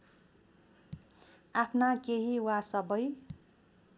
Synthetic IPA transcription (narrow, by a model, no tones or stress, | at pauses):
apʰnakeɦiwasʌbʌj